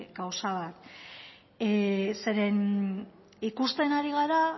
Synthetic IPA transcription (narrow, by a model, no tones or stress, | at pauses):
ɡawsaβat̪ | se̞ɾe̞n | ikust̪e̞naɾiɣ̞aɾa